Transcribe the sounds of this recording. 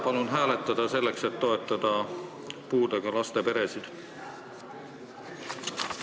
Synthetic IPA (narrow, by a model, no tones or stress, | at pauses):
pɑlunɦæːle̞t̪ːˑɑd̪̥ɑse̞lːe̞kse̞t̪ːo̞e̞t̪ːˑɑd̪̥ɑ | puːd̪̥eɡ̥ɑlɑst̪e̞pe̞ɾe̞sid̪̥